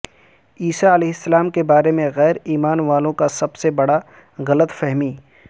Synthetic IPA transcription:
iːsaɐlɛːɦɪsːɐlaːmkebaːɾemẽɣɛːɾiːmaːnʋaːlõkasɐbsebɐɽa | ɣɐlət̪fɛɦmiː

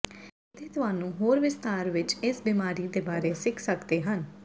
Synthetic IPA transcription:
ɪt̪ʰeːt̪ʊɦaːnũːɦoːɾʋɪst̪aːɾʋɪt͡ʃɪsbiːmaːɾiːd̪eːbaːɾeːsɪkʰsəkd̪eːɦən

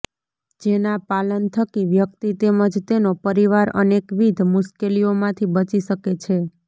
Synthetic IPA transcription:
d͡ʒenãpalənt̪ʰəkiʋjəkt̪it̪eməd͡ʒt̪enopəɾiʋaɾə̰nekʋid̪ʱmʊʃkeliomãt̪ʰibət͡ʃiʃəket͡ʃʰe

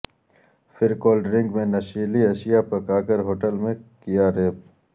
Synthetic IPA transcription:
fɪɾkoːlɖɾɪ̃ŋɡmẽnɐʃiːliɐʃijapɐkaːkəɾɦoːʈəlmẽkijaɾeːp̚

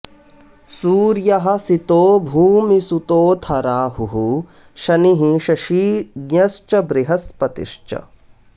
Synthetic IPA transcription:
suːɾjɐɦɐ̆sit̪oːbʱuːmisut̪oːt̪ʰɐɾaːhuɦu | ʃɐniɦiʃɐʃiːɡɲɐst͡ʃɐbɾɪɦɐspɐt̪ḭʃt͡ʃɐ̰

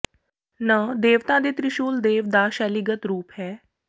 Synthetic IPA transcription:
nəd̪eːʋt̪ãːd̪eːt̪ɾɪʃuːld̪eːʋd̪aːʃɛːliɡət̪ɾuːpɦɛː

